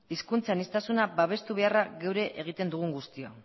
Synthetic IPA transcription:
iskunt͡sanist̪asunabaβ̞e̞st̪uβe̞araɣewɾe̞ʔʔeɣ̞it̪e̞nd̪uɣ̞uŋɡust̪io

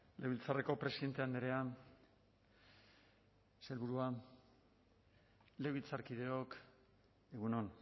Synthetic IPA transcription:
lewβilt͡sareko̞pɾesiðe̞nt̪e̞and̪eɾe̞a | se̞lβuɾua | le̞wβilt͡saɾkið̞e̞o̞k | eɣuno̞n

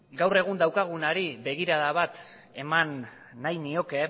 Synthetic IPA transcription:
ɡawre̞ɣund̪awkaɣ̞unaɾiβe̞ɣiɾaðaβat̪ | e̞manː | ajnio̞ke̞

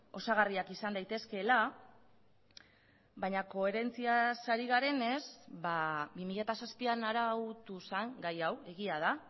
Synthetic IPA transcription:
o̞saɣariakisand̪ajt̪e̞ske̞la | βajɲako̞e̞ɾe̞nt͡siasaɾiɣaɾe̞ne̞zbabimiʎat̪asaspianaɾawt̪usaŋɡajawe̞ɣiað̞a

